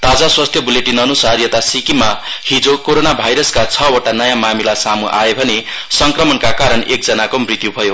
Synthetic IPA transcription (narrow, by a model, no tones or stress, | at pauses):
t̪ad͡zaswast̪ʰjʌbuleʈinʌnusarijʌt̪asikimahid͡zokoɾonabʱajɾʌskat͡sʰʌoʈanʌjãmamilasamuʔa̰ebʱʌne | sʌŋkrʌmʌnkakaɾʌnek̚d͡zʌnakomrit̪jubʱʌjo